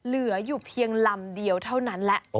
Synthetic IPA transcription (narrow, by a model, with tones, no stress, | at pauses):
lɯ˨˩˦ɐjuː˨˩pʰi˧əŋla˧mdi˧əwt̪ʰa˥˩wna˦˥nlɛ˦˥ʔ